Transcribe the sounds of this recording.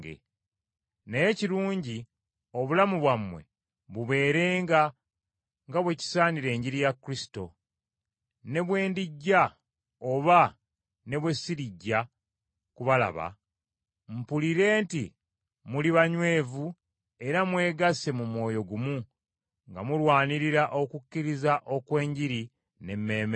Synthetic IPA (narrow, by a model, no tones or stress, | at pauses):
ɡḛ | neje̞ciɾuːɲɟi | o̞βulamuβwamwe̞̰ | βuβe̞ːɾe̞ːŋɡa | ŋɡaβwe̞ci̥saːniɾe̞ːɲɟiɾijakːɾisi̥to̞ | ne̞βwe̞ːndiɟːa | o̞βa | ne̞βwe̞siɾiɟːa | kuβala̰βa̰ | m̩puliɾe̞ːnti | muliβaɲwe̞ːvu | e̞ɾamwe̞ːɡase̞mumwo̞ːjo̞ɡumu | ŋɡa̰mulwaːniɾiɾaʔo̞kucːiɾizaʔo̞kwe̞ːɲɟiɾi | ne̞mːe̞ːme